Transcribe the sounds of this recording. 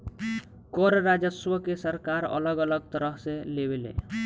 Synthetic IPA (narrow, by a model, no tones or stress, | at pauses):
koɾɾad͡ʒəswəkesəɾkaɾə̰ləɡələɡt̪əɾəɦselewelḛ